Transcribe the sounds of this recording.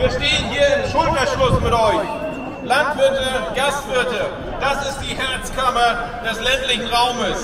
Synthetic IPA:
viːɐʃteːənɦiːɐɪmʃʊltɛʃlʊsmɪtʔɔʏç | lantv̥ɪɐtəɡ̥astv̥ɪɐtə | d̥asɪst̚d̥iːhɛɐt͡skʰamɐ | d̥ɛslɛntlɪçn̩ʁaʊməs

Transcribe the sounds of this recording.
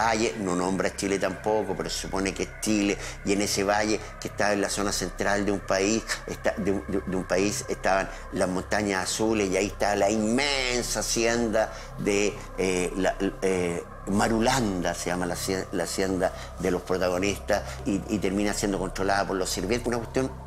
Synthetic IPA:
ajeno̞nõ̞mbɾat͡ʃilet̪ampokopeɾose̥supo̞nekeest͡ʃilejeneseβaʝe | keht̪aβenlaso̞nase̞nt̪ɾald̪eumpaiset̪ad̪ud̪d̪eumpaiseht̪aβan | lazmõ̞nt̪aɲasasulesjaieht̪aalaimmensaːsjend̪a | ðe | elae | maɾuland̪aseʝamalaselasjend̪a | ðelo̞spɾot̪aɣ̞o̞nist̪asiit̪e̞ɾminasje̞nd̪oko̞ntɾo̞laðapo̞ɾlosiɾβjenunakwet̪jo̞n

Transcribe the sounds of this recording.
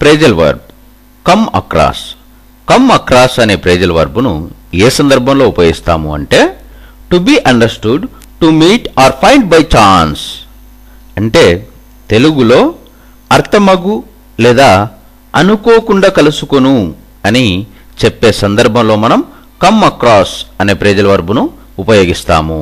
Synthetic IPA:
pɾeːd͡ʒɐlʋɐ̰ɾb | kɐmɐ̰kɾa̰ːs | kɐmɐkɾaːsɐne̞ːpɾeːd͡ʒɐlʋɐ̰ɾbunṵeːsɐnd̪ɐɾbʱɐmlo̞ːupɐːjist̪a̰ːmṵɐ̰ɳʈe̞ːʈubiːʔɐɳɖɐɾsʈuɖ | ʈumiːʈaːɾpʰɐjɳɖ̚bɐjt͡ʃaːns | ɐɳʈe̞ː | t̪e̞luɡulo̞ː | ɐɾt̪ʰɐmɐɡu | lɛːd̪aː | ɐnukoːkuɳɖaːkɐlusukonu | ɐni | t͡ʃepːe̞ːsɐnd̪ɐɾbʱɐmlo̞ːmɐnɐm | kɐmɐkɾaːsɐne̞ːpɾɛːd͡ʒɐlɐʋɐɾbunuː | pɐjo̞ːɡist̪a̰ːmṵ

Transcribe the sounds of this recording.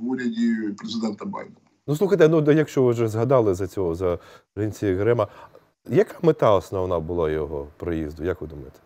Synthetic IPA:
uɾʲɐdʲipɾezɪd̪ɛnt̪ɐba̰jd̪ɛnɐnusˠuxɐjt̪ɛnud̪jɐkʃt͡ʃɔʋɪʒɛzɦɐd̪ɑlˠɪzɐt͡sʲɔɦɔzɐɾɪnʲt͡sʲijiɦɾɪmɐ | jɐkamɪt̪ɑɔsnɔʋnabʊlˠajɔɦɔpɾɔjizd̪ʊjakʋɪd̪ʊmɪt̪

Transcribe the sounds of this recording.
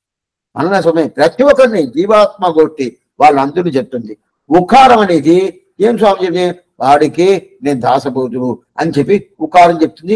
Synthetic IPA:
mɐ̰nnɐs̬ɐmepɾɐt͡ʃjuʋɐkɐnːid͡ʒiːʋaːt̪̚maɡoːʈːi | ʋaːɭːuɐnd̪unit͡ʃep̚ut̪und̪i | ukaːɾɐmɐniːd̪i | eːms̬waːmid͡ʒɐɾie | ʋaːɽikeːne̞ːnud̪ʱaːsɐboːt̪ulu | ɐnit͡ʃepːiukaːɾɐmt͡ʃep̚ut̪und̪i

